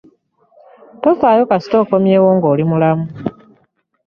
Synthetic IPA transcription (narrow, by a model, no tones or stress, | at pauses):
tofaːjo̞kasi̥to̞ːko̞mje̞ːwoːŋɡoːlimulamu